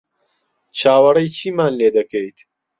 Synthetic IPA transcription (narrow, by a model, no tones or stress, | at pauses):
t͡ʃʰaːwɐrɐjt͡ʃʰiːmaːnleːd̪ɐkejt̪